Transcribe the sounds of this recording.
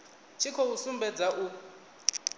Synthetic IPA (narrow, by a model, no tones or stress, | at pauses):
t͡ʃʰikʰɔusumbɛd͡zaʔu